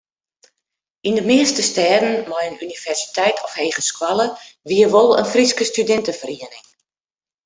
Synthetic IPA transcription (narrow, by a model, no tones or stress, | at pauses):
ʔindəmɪəstəstɛːdn̩mɔjənynivɛrsi̥tʰɛjtʰɔfheːɣəskwaləʋiərʋolˠə̰nfriskəstydɛntəfəriənɪŋ